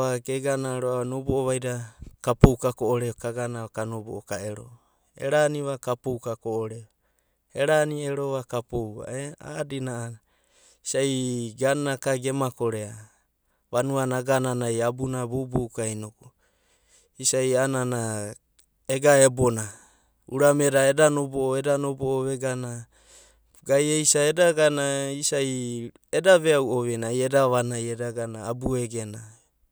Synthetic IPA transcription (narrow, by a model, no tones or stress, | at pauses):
aɡeɡanaɾoaanobooβajɾakapowkakoʔoɾeokaɡanaakanobo̰okaeɾo̰ | ḛɾaniβakapowkakoʔoɾeo | eɾanieɾoβakapowa̰ea̰dinaʔana | isaiɡanːakaɡe̞makoɾea | βanuanaɡananajabunabowbowkajnoku | isajanana | eɡaebo̞na | ṵɾame̞ɾae̞danobooedanoboʔoβe̞ɡana | ɡajejsaedaɡanaisaj | edaβeawoβenajedaβanajedaɡanaːbueɡe̞na